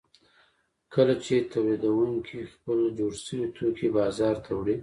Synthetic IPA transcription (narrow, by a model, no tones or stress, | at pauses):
kəlat͡ʃet̪ʰawlid̪awuŋkʰixpəld͡ʒoɽʃəwit̪ʰokʰebɑzɑɾt̪ʰawɽi